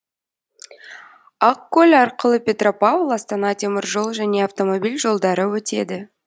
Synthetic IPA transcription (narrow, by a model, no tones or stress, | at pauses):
ɑqkʲːɵlʲɑɾqəlˠəpʲe̞t̪ro̞pɑvlˠɑst̪ɑnɑt̪ʲʰe̞mʲɪɾʒo̞lˠʒæne̞avt̪o̞mo̞bʲilʲʒo̞lˠd̪ɑɾəwɵt̪e̞d̪ɪ